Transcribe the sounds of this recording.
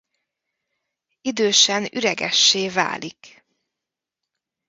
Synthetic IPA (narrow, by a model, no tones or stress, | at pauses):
id̪øːʃɛnyɾɛɡɛ̰ʃːeːva̰ːlik